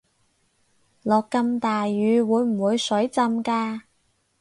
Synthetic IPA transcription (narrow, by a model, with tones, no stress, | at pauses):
lɔː˨kːɐ˧mt̪aː˨jːyː˨˧wuː˨˧jm̩˨˩wuː˨˧jsɵ˨˥ɥjt͡sɐ˧mkaː˧